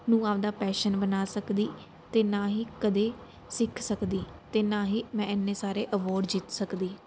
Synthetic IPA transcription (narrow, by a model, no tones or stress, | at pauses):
nũːaːd̪aːpɛːʃənbənaːsəkd̪iː | t̪eːnaːɦiːkəd̪eː | sɪkʰsəkd̪iːt̪eːnaːɦiːmɛ̃ːɪnːẽːsaːɾeːʔəʋɔːɖd͡ʒɪt̪səkd̪iː